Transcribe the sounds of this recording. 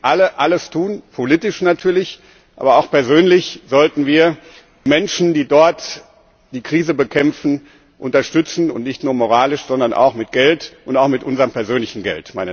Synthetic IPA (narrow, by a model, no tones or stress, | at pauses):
ʔaləʔaləstʰuːnpʰoliːtɪʃnatʰyːɐlɪç | ʔʔa̰ːbɐaʊxpɛɐzøːnlɪçz̥ɔltn̩viːɐ | mɛnʃn̩diːdɔɐt | d̥iːkʁ̥iːzəbəkʰɛmfn̩ | ʔʊntɐʃtʏt͡sn̩ʊntnɪçtnuːɐmoʁ̞aːlɪʃz̥ɔndɐnʔa̰ʊxmɪt̚ɡ̥ɛltʔʊntaʊxmɪtʔʊnzɐʁəmpɛɐzøːnlɪçn̩ɡɛ̰ltmaɪnə